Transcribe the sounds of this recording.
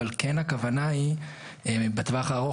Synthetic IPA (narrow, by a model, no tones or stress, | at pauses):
alkenhakavanai | ebet̪vaχaːʁo